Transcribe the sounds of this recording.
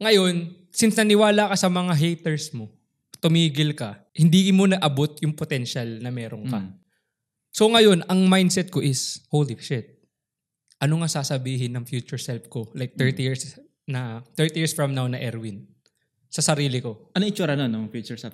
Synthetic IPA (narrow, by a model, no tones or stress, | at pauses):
ŋɐjo̞n | sɪnsnɐnɪwaːlɐkɐsɐmɐŋaɦɛjt̪ɛɹsmo̞ | t̪ʊmiːɡɪlkɐ | hɪnd̪ikmonɐɡʔɐbo̞t̪̚jʊŋpot̪ɛnʃalnɐmɛːɾonkɐ | so̞ŋɐjo̞nɐŋmajnd̪sɛt̪̚ko̞ʔɪshowlɪfʃɪt̪̚ | ʔɐnoŋasaːsɐbiːɦɪnːɐŋfjuːt͡ʃʊɹsɛlfko̞lajk̚t̪ɛɹt̪ijiɹs | nɐt̪ɛɹt̪ijiɹsfɹɐmnawnɐʔɛɾwɪn | sɐsɐɾiːlɪko̞ʔɐnɪt͡ʃuɾɐnonɐfjut͡ʃʊɹsɛl